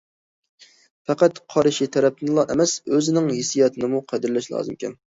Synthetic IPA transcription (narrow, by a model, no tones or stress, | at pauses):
fæqæt̪qʰɑɾɨʃit̪ʰɛɾɛp̚t̪ʰɨnlˠɑʔɛmɛsøzɪnɪŋhesijɑt̪ʰɨnɨmuqʰɛd̪ɪɾlɛʃlˠɑ̰ːzɨmkʲʰɛ̰n